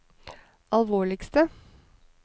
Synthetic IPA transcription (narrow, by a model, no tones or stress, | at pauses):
ʔɑlʋoːɭɪkst̪ə